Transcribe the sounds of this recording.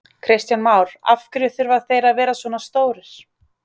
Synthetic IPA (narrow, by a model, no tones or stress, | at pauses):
kʰɾɪst̪janmawɾa̰fkɾʏθʏɾvaðθejɾaðvɛːɾasvɔːnast̪oːwɾɪɾ̥